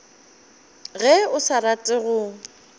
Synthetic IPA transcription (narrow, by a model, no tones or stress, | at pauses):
ɣɛʊsaɾatʼɪɣʊ